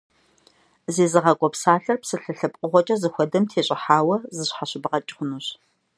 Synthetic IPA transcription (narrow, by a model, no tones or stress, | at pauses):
zeːzɨʁɐkʷʼɔpsaːɬɐrpsɨɬɨɬɨpʼqʼʊʁʷɔt͡ʃʼɐzɨxʷɔdɐmtʰeːɕʼɪħaːwɐzɨɕħaɕɪbɐʁɐt͡ʃʼɪxʷʊnuːɕ